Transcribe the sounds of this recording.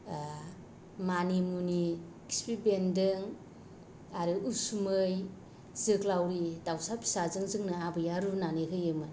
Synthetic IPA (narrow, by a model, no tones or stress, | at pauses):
manimuni | ki̥spibendɯŋ | aɾɯusumɯj | zɯklawɾidawsapʰi̥sazɯŋzɯŋnɯabɯjaɾunanɯɦɯjɯmɯ